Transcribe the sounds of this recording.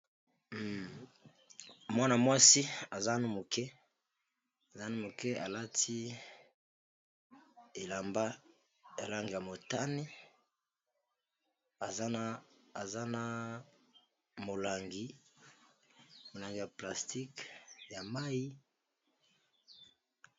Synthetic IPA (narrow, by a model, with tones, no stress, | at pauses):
mwa˦na˨mwa˦si˦a˨za˦nu˦mo˨kɛ˦ | a˨za˦nu˦mo˨kɛ˦a̰˨la˦tʰi˦ | e˨la˨mba˦ | ja˨la˦ŋɡi˨ja˨mo˨ta˦ni˦ | a˨za˦naː˦˨za˦na˨ | mo˨la˨ŋɡi˦ | mo˨la˨ŋɡi˨ja˨pla˨sti˦kja˨ma˦ji˦